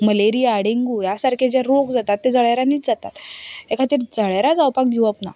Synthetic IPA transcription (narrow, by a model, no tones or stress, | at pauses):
məleɾijaːɽeŋɡuːjasaɾkʰed͡ʑeɾokd͡zat̪at̪ːed͡zəɭajɾaniːt͡sd͡zat̪at̪ekʰat̪iːɾd͡zəɭjɾad͡zawpak̚ɡiwapna̰